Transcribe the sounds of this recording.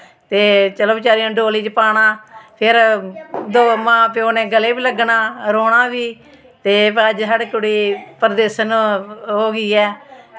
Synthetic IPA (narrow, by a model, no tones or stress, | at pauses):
t̪eːt͡ʃəloːbt͡ʃaːɾiãːɖoːliːd͡ʒpaːɽ̃aːpʰɪɾ | d̪oːmãːpjoːneːɡəleːbiːləɡnaːɾoːɽaːʋiː | t̪eːpəd͡ʒɦəɖkʊɽiːpəɾd̪eːʃənːɦoːɡiːɛː